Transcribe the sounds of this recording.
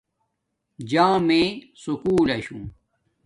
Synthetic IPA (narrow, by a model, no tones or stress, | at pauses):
d͡ʑãːmẽ | sukuːlɐɕũ